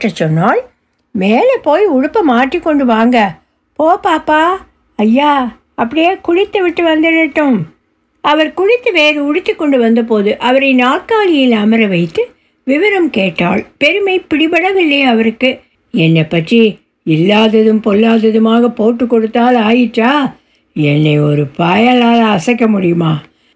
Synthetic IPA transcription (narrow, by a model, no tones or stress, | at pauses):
rɐt͡ʃːɔnːaːl | meːlɛpoːjʊɽʊpːɐmaːʈrikːɔɳɖɯʋaːŋɡɐ | poːpaːpːaː | ɐjːaː | ɐpːɐɽɪjeːkʊɻɪt̪ːɯʋɪʈːɯʋɐnd̪ɪɾɪʈːɯ̃m | ɐʋɐɾkʊɻɪt̪ːɯʋeːɾɐʊɽɪt̪ːɯkːɔɳɖɯʋɐnd̪ɐp̬oːðɯʔɐʋɐɾɐɪnaːkaːɭɪjɪlɐmɐɾɐʋɐɪt̪ːɯ | ʋɪʋɐɾɐmkeːʈːaːɭpɛɾɯmɐɪpɪɽɪbɐɽɐʋɪɭːɐɪɐʋɐɾɯkːɯ | ɛnːɐpːɐʈri | ɪlːaːðɐðɯmpɔlːaːðɐðɯmaːɣɐpoːʈːɯkːɔɽɯt̪ːaːlaːjɪʈːaː | ɛnːɐɪɔɾɯpɐːjɐlaːlɐːsɐkːɐmʊɽɪjɯmaː